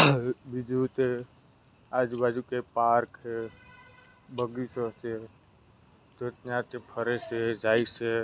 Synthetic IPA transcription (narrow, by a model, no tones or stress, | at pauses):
bid͡ʒut̪e | aːd͡ʒbaːd͡ʒukepaːɾkʰe | bəɡisose | t̪et̪nãt̪epʰəɾesed͡ʒaːise